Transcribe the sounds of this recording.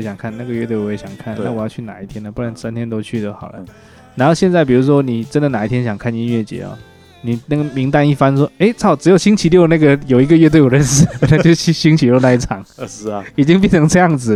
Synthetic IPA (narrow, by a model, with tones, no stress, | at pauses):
ɕjɑ˨˩ŋkʰa˥˩nna˥˩ɡə˩ɥɛ˥˧t̪we˥˩ɪwɔ˨˧jɛ˧˥˩ɕjɑ˨˩ŋkʰa˥˩na˥˩wɔ˨˩jɑ˥˧t͡ɕʰy˥˩na̰˨˩i˥˩t̪ʰjɛ˥nə˨˩pu˥˩wa˧˥nsa˥nt̪ʰjɛ˥nt̪o˥ʊt͡ɕʰy˥˩d̪ə˧˩xɑ˨˩lə̰˦ | na˧˥nxo˥˧ʊɕjɛ˥˧nt͡sa˥˩ɪpi˨˩ɻu˧˥ʂwɔ˥ni˨˩ʈ͡ʂə˥nd̪ə˨na˨˩˦i˥t̪ʰjɛ˥nɕjɑ˨˩ŋkʰa˥˩ni˥˧nɥɛ˥˩t͡ɕjɛ̰˨˩˦ɔ̰˦ | ni˨˩na˥˩ɡə˩mi˧˥ŋt̪a˥˧ni˥˩fa˥nʂ̬wɔ˥e˥ɪt͡sʰɑ˥˩ʊʈ͡ʂɻ̩˧˥jo˨˩ʊɕi˥ŋt͡ɕʰi˧˥ljo˥˧ʊna˥˩ɡə˨jo˨ʊi˧˥ɡə˧ɥɛ˥˧t̪wɪjɔ˨˩ɻə˥˧nʂ̩˥na˥˩t͡ɕo˥˧ʊ˥ɕi˥˧˩ɕi˥ŋt͡ɕʰi˧˥jna˥˧i˥˩ʈ͡ʂʰɑ˨˥˦ŋi˨˩t͡ɕi˥ŋp̬i˥˩nnʰɤ˧˥ŋʈ͡ʂɤ˥˧jɑ˥˩ŋd͡zɹ̩˨˩